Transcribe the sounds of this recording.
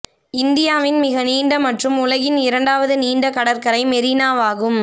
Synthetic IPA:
ɪnd̪ɪjaːʋɪnmɪɣɐniːɳɖɐmɐʈrɯmʊlɐɣɪnɪɾɐɳɖaːʋɐðɯniːɳɖɐkɐɽɐɾkɐɾɐɪmɛɾinaːʋaːɣɯm

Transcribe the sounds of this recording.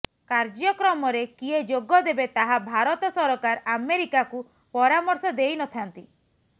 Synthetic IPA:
kaɾd͡ʒjɔkɾɔmɔɾekied͡ʒoɡɔd̪ebet̪aɦabʱaɾɔt̪ɔsɔɾɔkaɾameɾikaku | pɔɾamɔɾsɔd̪ejnɔt̪ʰant̪i

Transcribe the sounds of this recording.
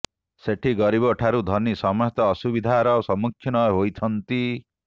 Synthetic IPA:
seʈʰiɡɔɾibɔʈʰaɾud̪ʱɔnisɔmɔɦt̪ɔːsubid̪ʱaɾɔsɔmukʰːjinɔjɦojt̪ʰɔnt̪i

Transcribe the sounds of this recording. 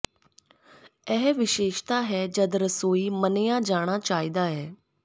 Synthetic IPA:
ɛɦʋɪʃeːʃt̪aːɦɛːd͡ʒəd̪ɾəsoːiːmənɪjãːd͡ʒaːɽ̃aːt͡ʃaːiːd̪aːɦɛː

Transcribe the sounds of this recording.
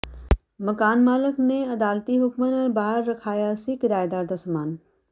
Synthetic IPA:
mɐkaːnmaːləkneɐd̪aːlt̪iɦʊkmənəɾbaːɦəɾːɐkʰaːjasikɪd̪aːjd̪aːɾd̪asɐmaːn

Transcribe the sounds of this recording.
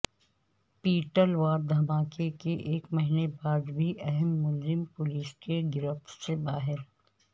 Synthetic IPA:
piːʈəlʋaːɾd̪ʱɐmaːkekeʔeːkmɐɦinebaːd̪bʱiʔɛɦɛmːʊlzɪmpʊliːskeɡɪɾəft̪ʰsebaːɦɪɾ

